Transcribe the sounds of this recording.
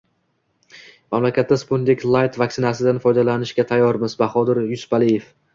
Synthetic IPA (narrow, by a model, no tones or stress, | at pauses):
mamlakʲat̪ːaspond̪ɪkʲlˠajt̪vakʲsɪnasɪd̪anfɒjd̪alanɪʃɡʲat̪ʰajːɒɾmɪzbaχɒd̪ɪɾjʊsʊ̥palijef